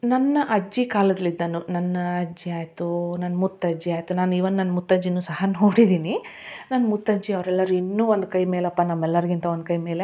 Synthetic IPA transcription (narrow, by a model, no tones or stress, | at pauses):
nɐnːɐʔɐd͡ʒːikaːlɐd̪ɐlid̪ːɐnunɐnːɐɐd͡ʒiaːjt̪unɐnːɐmut̪ːɐd͡ʒiaːjt̪unaːniːʋɐnːunɐnːɐmut̪ːɐd͡ʒːinːuːsɐhɐnoːɽid̪ini | nanːɐmut̪ːɐd͡ʒiɐʋɾɛlːɐɾuinːuːond̪ukɐjmeːlɐpːɐnɐmːɛlːɐɾiɡint̪ɐond̪ukɐjmeːle